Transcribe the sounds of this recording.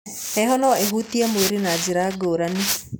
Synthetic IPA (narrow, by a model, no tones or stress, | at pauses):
ɛɦɔnɔeɦut̪iamoɾinad͡ʒiɾaɡoɾani